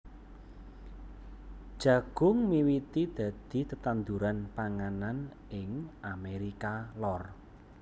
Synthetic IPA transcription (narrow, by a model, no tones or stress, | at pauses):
d̥ʒ̥ä̤ɡ̥ʊ̤ŋmiwit̪id̪̥ä̤d̪̥i̤t̪ət̪and̪uɾanpaŋanan | ɪŋʔameɾikalɔr